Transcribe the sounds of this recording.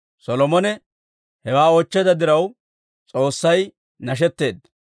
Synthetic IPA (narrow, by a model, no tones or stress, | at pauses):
sɔlɔmɔnɛ | hɛwaːoːt͡ʃːɛd̪ɐd̪ɪɾɐw | t͡sʼo̞ːsːɐj | nɐʃ̬ɛt̪ːe̞ːd̪ːɐ